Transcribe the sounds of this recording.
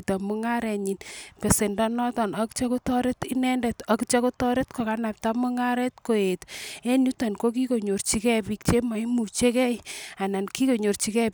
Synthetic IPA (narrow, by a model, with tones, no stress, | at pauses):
ta˨mu˦ŋa˦ɾɛ˨ɲi˨npe˨se˨ndɔ˦nɔ˦tɔ˨nɔ˨˦kt͡ʃɔ˦ku˦tɔ˦ɾe˦ti˦nɛ˦ndɛ˨tɔ˨kt͡ʃo˦ku˦tɔ˦ɾe˦tko˨ka˨˦na˨p̚ta˦mu˦ŋa˦ɾɛ˦tko˨e˨te˦nu˦ta˨nko˦k̬i˦ko˨ɲo˨ɾt͡ʃi˨˦kɛ˦pi˦k̚t͡ʃe˦ma˨i˦mu˨t͡ʃe˦kɛ˦ja˨na˨nki˦ko˨ɲo˨ɾt͡ʃi˦kɛ˦